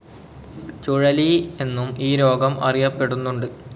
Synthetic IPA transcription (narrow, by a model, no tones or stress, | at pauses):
t͡ɕuɻɐlie̞nːumiːɾo̞ːɡɐmɐ̰rijɐpːe̞ɽunːuɳɖɨ